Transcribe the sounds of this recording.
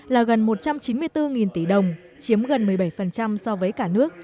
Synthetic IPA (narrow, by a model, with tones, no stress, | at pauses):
laː˨˩ɣə˨˩nmo˨˩t̚t͡ɕa˧mt͡ɕi˨˦nmɨ˧əjt̪ɨ˧ŋi˨˩nt̪i˧˩ɗə˨˩wŋ͡m | t͡ɕi˨˦əmɣə˨˩nmɨ˨˩əjɓa˧˩jfə˨˩nt͡ɕa˧msɔ˧vəː˨˦jkaː˧˩nɨ˦˥ək̚